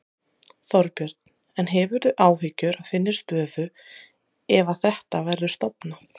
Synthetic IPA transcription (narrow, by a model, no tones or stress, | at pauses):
θɔɾpjœɾt̪n̥ | ɛnɦɛvʏɾðʏʔaːwɦɪcʏɾaðfɪnːɪ̥st̪œːðʏ | ɛvaθɛht̪avɛɾðʏst̪ɔwpna